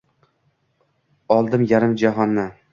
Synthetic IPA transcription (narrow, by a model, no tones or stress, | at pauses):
ɒlˠd̪ɪmjaɾɪmd͡ʒaɦɒnːɪ